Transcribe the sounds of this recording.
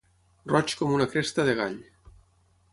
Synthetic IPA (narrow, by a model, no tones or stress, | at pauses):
rɔt͡ʃkomunakɾest̪aðeɣaʎ